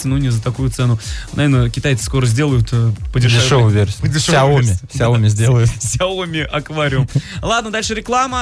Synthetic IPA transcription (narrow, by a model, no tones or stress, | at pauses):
sʲɪnunʲɪzət̪ɐkujʊt̪sɛnʊnɐ̰vernəkʲɪt̪ajɪsɨ̥sko̞ɾəzʲdʲe̞lˠəjʊt̪ːpədʲɪrʐdʲɪovəjvʲersʲdʲɪʂsaomʲɪfsʲaomʲɪzʲdʲelˠəjʊfsʲaomʲɪʔɐkvaɾʲɪəmlˠad̪nəd̪alʲʂɨɾʲɪklˠamə